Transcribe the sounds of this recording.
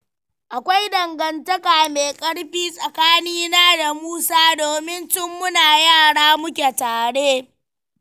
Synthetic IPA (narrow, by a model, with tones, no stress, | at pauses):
ʔa˨kʷa˦jdɐ˨ŋɡɐ˨ntɐ˦kaː˨meː˨kʼɐ˦ɽɸiː˦sʼɐ˨kaː˦niː˦naː˦da˨muː˦saː˦doː˨mɪ˦nt͡ʃɪ˦mːʊ˦naː˨jaː˦˨ɽaː˦mʊ˦kʲe˨taː˨ɽeː˦